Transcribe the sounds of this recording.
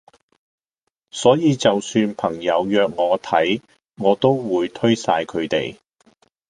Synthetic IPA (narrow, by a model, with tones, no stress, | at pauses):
sɔː˨˥jiː˨˧t͡sɐ˨wsyː˧npʰɐ˨˩ŋjɐ˨˧wjœː˨˧k̚ŋɔː˨˧t̪ʰɐ˨˥j | ŋɔː˨˧t̪o˥wwuː˨˧jt̪ʰɵ˥ɥsaː˧jkʰɵ˨˧t̪ḛ˨j